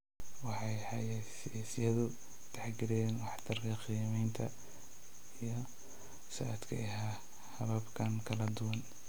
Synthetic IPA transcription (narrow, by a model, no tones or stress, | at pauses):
wɑħɑjħɑja | sjaːsɪjɐðʊ | t̪ʰɛħɡɪɾɛːnwɑħt̪ʰɐrkʰɐqiːmɛjnt̪ʰɐ | ijɞ | sɐʔːd̪kʰɐ̰ɪɦa | hɐβɐbkʰɐnkʰɐlɐd̪ʊwɐn